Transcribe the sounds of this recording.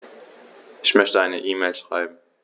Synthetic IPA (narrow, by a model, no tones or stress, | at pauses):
ʔɪçmœçtəaɪnəʔiːmeːlʃʁ̥a̰ɪbm̩